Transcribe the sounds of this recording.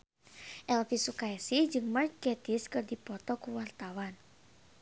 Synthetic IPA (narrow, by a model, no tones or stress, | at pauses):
ʔɛlfisukaɛsid͡ʒɨŋmarkɛt̪iskɨrdipɔt̪ɔkuwart̪awan